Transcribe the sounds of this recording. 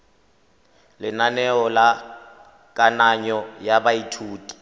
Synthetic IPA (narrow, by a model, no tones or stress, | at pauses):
lɪnanɛɔla | kʼanaɲɔjabaitʰuːtʼi̥